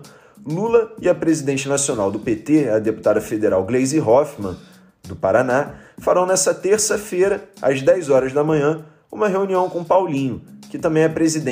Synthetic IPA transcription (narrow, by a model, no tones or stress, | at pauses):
lulɐɪɐpɾezid̪ẽt͡ʃɪnasionawd̪ʊpet̪eɐd̪epu̥t̪ad̪ɐfed̪eɾawɡlejziɦɔfmɐ̃ | d̪ʊpaɾanafaɾɐ̃w̃nɛsɐt̪eɾsɐfejɾɐɐ̰zd̪ɛjzɔɾɐzd̪ɐmɐ̃ɲɐ̃ | ṵ̃mɐɦeũniɐ̃w̃kõpawlĩɲʊkɪt̪ɐ̃mbẽj̃ɛpɾezid̪ẽ